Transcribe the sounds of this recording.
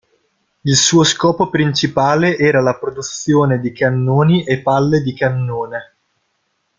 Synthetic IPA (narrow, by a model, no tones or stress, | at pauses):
ilsuːoskɔːpopɾint͡ʃipaːleʔɛːɾalapɾod̪ut̪sːjoːned̪ikanːoːniʔepːalːed̪ikanːoːne